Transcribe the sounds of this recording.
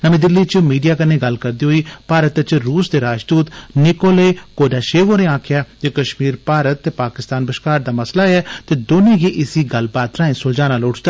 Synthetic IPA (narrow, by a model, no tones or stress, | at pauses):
nəmẽːd̪ɪlːiːt͡ʃmiːɖijaːkəneːɡəlkəɾd̪iːɦoːiːpaːɾət̪t͡ʃɾuːsd̪eːɾaːd͡ʒd̪uːt̪nɪkoːleːkoːɖaːʃeːʋoːnẽːãːkʰɪjaːd͡ʒekəʃmiːɾpaːɾət̪ːeːpaːkɪst̪aːnbəʃkaːɾd̪aːməslaːɛːt̪eːd̪oːnẽːɡiːʔɪsiːɡəlbaːt̪ɾãːẽːsʊld͡ʒaːnaːloːʈʰd̪a